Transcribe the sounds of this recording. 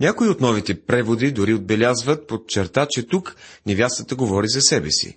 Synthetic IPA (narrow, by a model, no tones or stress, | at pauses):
nʲakoiot̪nɔvit̪ɛpɾɛvod̪id̪ʊɾiod̪̚bɛlʲazvət̪̚pot͡ʃɛɾt̪at͡ʃɛt̪uknɛvʲjast̪ət̪əɡovɔɾizɐsɛbɛsḭ